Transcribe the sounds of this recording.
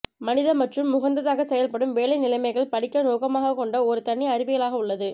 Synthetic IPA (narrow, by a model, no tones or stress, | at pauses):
mɐnɪðɐmːɐʈrɯmːʊɣɐnd̪ɐðaːɣɐsɛjɐlpɐɽɯmʋeːlɐɪnɪlɐɪmɐɪɣɐɭpɐɽɪkːɐnoːkɐmaːɣɐkːɔɳɖɐɔɾɯt̪ɐɳːiɐɾɪʋɪɣɐɭaːɣɐʊɭːɐðɯ